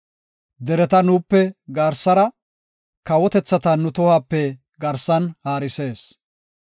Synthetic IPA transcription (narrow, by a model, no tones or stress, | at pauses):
d̪ɛɾɛt̪ɐnuːpːɛɡaːɾsɐɾɐ | kɐwɔt̪ɛt͡sːɐt̪ɐnːʊt̪ɔhaːpːɛ | ɡɐɾsɐnhaːɾɪse̞ːs